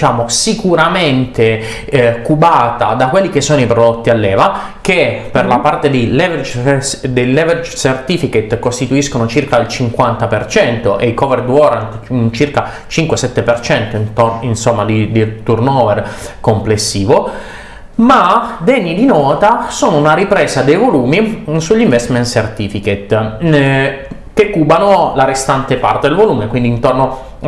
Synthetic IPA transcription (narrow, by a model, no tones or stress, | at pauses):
it͡ʃaːmosikuɾament̪e | kubaːt̪a̰d̪akwelːik̟esːoːnoipɾod̪ot̪ːialːɛːva | k̟eperlapart̪ed̪ejlɛveɾd͡ʒd̪elːɛverd͡ʒsert̪ifiket̪ːkost̪it̪uiskonot͡ʃirkailt͡ʃiŋkwant̪apert͡ʃɛnt̪oʔeikɔverd̪wɔɾant̪int͡ʃirka | t͡ʃiŋkwesɛt̪ːepert͡ʃɛnt̪oint̪oinsomːad̪id̪it̪urnɔːverkomplesːiːvo | mad̪ɛɲːid̪inɔːt̪asoːnounaɾipɾeːsad̪ejvoluːmisuʎːiɱvɛst̪ment̪sert̪iːfiket̪ | kekːuːbanolaɾest̪ant̪epa̰rt̪ed̪elvoluːmekwind̪iːnt̪orno